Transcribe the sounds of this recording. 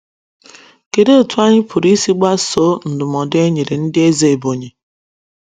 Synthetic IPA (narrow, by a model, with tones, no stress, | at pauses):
ke˨de˦o˨tʰu˦a˦ɲɪ˦pʰʊ˨ɾi˦si˦ɡ͡ba˦so˦n̩˨dʊ˨mɔ˨de˦ɲe˨ɾe˨n̩˦dɪ˦e˦ze˨e˨bo˨ɲe˨